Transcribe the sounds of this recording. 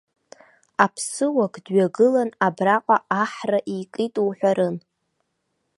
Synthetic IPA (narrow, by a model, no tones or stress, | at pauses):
apʰsɨwakʼdɥaɡɨlanabraqʷʼaaħraʔijkʼitʼuwħʷᶣaɾɨn